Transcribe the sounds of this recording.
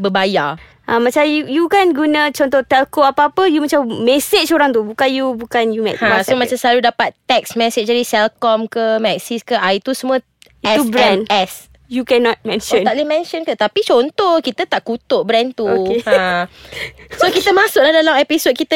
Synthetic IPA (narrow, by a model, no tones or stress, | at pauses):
bəbaja | ʔamãt͡ʃamjujukanɡunət͡ʃɔnt̪ɔht̪ɛlkoapaapəjumat͡ʃamːɛset͡ʃoɾaŋt̪ubukanjubukanjumɛ̰kãsomãt͡ʃamsəlaludapat̪ːɛksmɛset͡ʃdadisɛlkɔmkəmɛksiskəʔait̪usəmũə | iɛubɾɛ̃nɛs | jukɛnɔt̪̚mɛ̃nʃɔnaʔlemɛ̃nʃɔnkət̪apit͡ʃɔnt̪ɔhkit̪ət̪aʔkut̪oʔbɾɛnt̪uokehã | sokit̪əmãsʊk̚lahdalamɛpisod̚kit̪ə